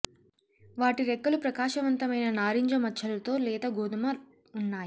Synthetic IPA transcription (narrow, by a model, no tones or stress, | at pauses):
ʋaːʈiɾɛkːɐlupɾɐkaːʃɐʋɐnt̪ɐmɐjnɐnaːɾiɲd͡ʒɐmɐt͡ʃʰːɐlɐt̪o̞ːlɛːt̪ɐɡoːd̪umɐ | unːaːji